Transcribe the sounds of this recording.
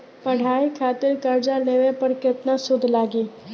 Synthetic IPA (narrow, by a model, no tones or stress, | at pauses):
pɐɽ̤aːikʰaːt̪ɪɾkɐɾd͡ʒaneʋepɐɾkɪt̪nasʊd̪ʱlaːɡeː